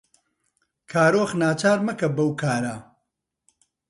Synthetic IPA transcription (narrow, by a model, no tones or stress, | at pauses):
kʰaːɾoːχnaːt͡ʃaːɾmɐkɐbɐwkʰaːɾa